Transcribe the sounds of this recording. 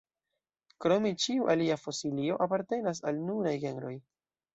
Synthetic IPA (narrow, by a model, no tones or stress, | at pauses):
kɾo̞mit͡ʃiuʔaliafo̞silio̞ʔapaɾte̞nas̬alnuɾajɡe̞nɾo̞j